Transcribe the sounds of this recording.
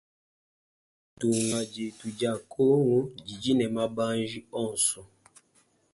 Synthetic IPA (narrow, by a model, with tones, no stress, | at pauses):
tu˨ŋa˨d͡ʒe˨tu˨d͡ʒa˦˨kʰo˦ŋu˦d͡ʒi˨d͡ʒi˦nɛ˨ma˦ba˦nd͡ʒi˦ɔ˦˨n˨sɔ˨